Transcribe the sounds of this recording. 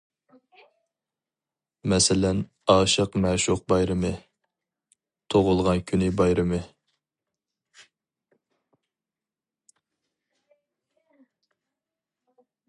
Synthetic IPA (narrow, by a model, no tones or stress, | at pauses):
mɛsɪlɛn | ɑːʃəqmɛʃuq̚bɑjɾɨmɨ | t̪ʰoʁʊlˠʁɑnkʲʰynɪbɑjɾɨmɨ